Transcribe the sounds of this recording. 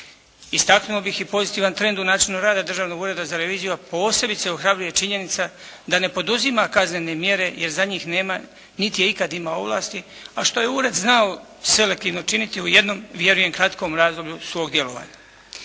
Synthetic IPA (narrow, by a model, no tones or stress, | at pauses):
ist̪aknuobixipo̞zit̪iːʋant̪ɾe̞nd̪unaːt͡ʃinuɾaːd̪ad̪r̩ʒaːʋno̞ɡuɾe̞d̪azaɾeʋiːzijuapo̞ːse̞bit̪seo̞xɾabɾuje̞t͡ʃiɲe̞nit̪sa | d̪ane̞po̞d̪uzimakazne̞ne̞mje̞ɾe̞jeɾzaɲiːxne̞ːma | nit̪ije̞ikad̪imao̞ʋla̰ːst̪i | aʃt̪o̞jeuɾe̞d̪znao | se̞le̞k̚t̪iːʋno̞t͡ʃinit̪iuje̞d̪no̞mʋje̞ɾuje̞ŋkɾat̪ko̞mɾaːzd̪o̞bʎusʋo̞ːɡd̪je̞lo̞ʋa̰ːɲa